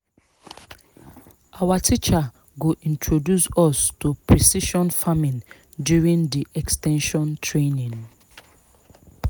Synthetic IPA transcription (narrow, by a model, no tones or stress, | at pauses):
ʔawatʰit͡ʃa | ɡuʔĩntʰɹodjusɔstupɹisiʃɔ̃nfamĩn | djuɹĩndiʔɛkstɛ̃nʃɔ̃ntʰɹenĩn